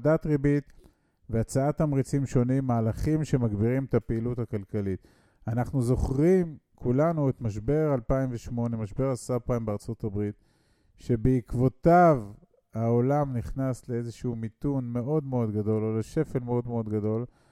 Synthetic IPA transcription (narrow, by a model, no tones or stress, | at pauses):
dat̪ʁebit̪ | veat͡saat̪amʁit͡simʃo̞nimːaːlaχimʃe̞maɡbiʁimetapeiluthakalkalit̪ | anaχnuzo̞χʁimkʰulanuet̪maʃ̬be̞ʁalpaimveʃmo̞ne̞maʃbe̞ʁasapaimbeaʁt͡so̞tabʁit̪ | ʃe̞beikvo̞tav | aolamniχnasle̞ezeʃuumitunme̞ʔo̞d̪me̞o̞d̪ɡado̞loleʃe̞fe̞lmeo̞d̪me̞o̞d̪ɡado̞l